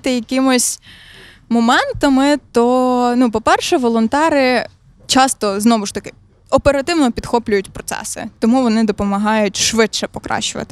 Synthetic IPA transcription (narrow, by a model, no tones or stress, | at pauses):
t̪ɪjɐkʲɪmʊsʲ | mɔmɛnt̪ɐmɪt̪ɔnupɔpɛrʃɛʋɔlˠɔnt̪ɛɾɪ | t͡ʃɑst̪ɔznɔʋʊʃt̪ɐkɪ | ɔpeɾɐt̪ɪwnɔpʲid̪xɔplʲʊjʊtʲpɾɔt̪sɛ̰sɪ̰t̪ɔmuʋɔnɪd̪ɔpɔmɐɦɑjʊtʲʃʋɪʃɛpɔkɾɑ̰ʃt͡ʃʊʋɐ̰t̪ɪ